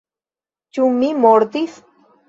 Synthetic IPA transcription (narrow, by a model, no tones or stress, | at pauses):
t͡ʃummːimoɾt̪is